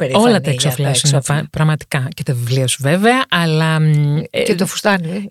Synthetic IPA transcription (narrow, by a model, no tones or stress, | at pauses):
peɾo̞lɐt̪ɐeksoflɐsinepɐpɾɐɣmɐt̪i̥kɐcet̪ɐvivliosuveveɐʔɐlɐ | cet̪ofu̥st̪ɐni